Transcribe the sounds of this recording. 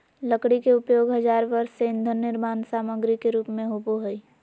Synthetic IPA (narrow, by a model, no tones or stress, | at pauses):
ləkɽikeʊpjoːɡɦəd͡ʒaːɾʋəɾsseɪ̃nd̪ʱənːɪɾmaːnsaːməɡɾikeɾuːpmẽɦuboɦoi